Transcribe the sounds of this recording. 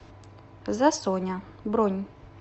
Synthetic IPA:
zɐsɔnʲabɾɔnʲ

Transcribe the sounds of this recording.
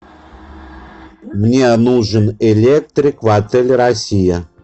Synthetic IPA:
mnʲenuʐɨnelʲek̚t̪ɾʲɪkvat̪elʲrɐsʲijə

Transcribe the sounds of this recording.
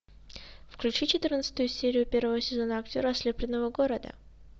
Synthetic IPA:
fklʲʉt͡ɕit͡ɕɪt̪ɨrnət̪sə̥t̪ʊjʊsʲeɾʲɪjʊpʲe̞rvəvəsʲɪzo̞nəɐktʲo̞ɾəɐslʲeplʲɪnːəvəɡoɾəd̪ə̰

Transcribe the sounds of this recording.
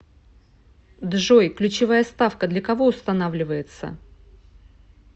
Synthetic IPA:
d̪ʐo̞jklʲʉt͡ɕɪvajəst̪afkəd̪lʲɐkɐvo̞ʊst̪ɐnavlʲɪvəjɪt̪sə̰

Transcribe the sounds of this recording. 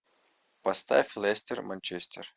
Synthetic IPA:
pɐst̪a̰fʲlˠesʲt̪ʲərmɐnʲt͡ʃesʲt̪ʲər

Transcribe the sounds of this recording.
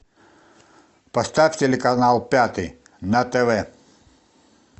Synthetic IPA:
pɐst̪afʲtʲelʲɪkɐnalˠpʲat̪ɨ | nɐt̪ɛvɛ

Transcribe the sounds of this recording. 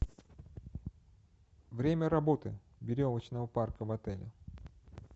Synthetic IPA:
vɾʲemʲəɾɐbo̞t̪ɨ̰ | bʲɪɾʲovət͡ɕnəvəparkəvɐt̪ɛlʲɪ̰

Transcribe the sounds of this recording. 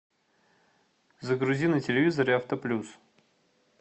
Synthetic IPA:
zəɡɾʊzʲinɨtʲɪlʲɪvʲizəɾaft̪əplʲus

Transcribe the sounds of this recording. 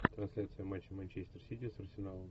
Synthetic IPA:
t̪ɾɐnsʲlʲat̪sɨjəmanʲt͡ɕɪmanʲt͡ɕesʲt̪ərsʲit̪ʲɪsərsʲɪnalˠəm

